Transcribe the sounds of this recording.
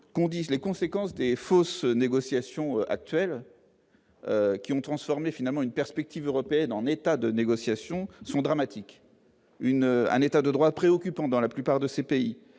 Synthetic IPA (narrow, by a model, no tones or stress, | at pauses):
kɔ̃d̪ilekɔ̃sekɑ̃sd̪efosneɡɔsjasjɔ̃øʔa̰k̚t̪ɥɛl | økʲiɔ̃t̪χɑ̃sfɔʁmefinalmɑ̃ynpɛʁspɛk̚t̪ivøʁɔpeɛnɑ̃net̪ad̪əneɡɔsjasjɔ̃sɔ̃d̪ʁamat̪ʰik | ynøɛ̰̃net̪ad̪əd̪ʁwapχeɔkʲypɑ̃d̪ɑ̃laplypaʁd̪əsepei